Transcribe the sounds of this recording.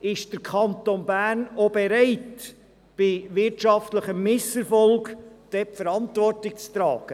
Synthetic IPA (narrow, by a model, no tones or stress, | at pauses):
ɪʃd̥əɾkʰɑnt̪onbæːnobɛɾɛɪt | b̥ɪʋɪɾtʃɑftləχəmmɪsɛɾfɔlˠɡd̥ɛpfəɾɑntvɔrtɪk̚t͡st̪ɾɑːɡ̥ə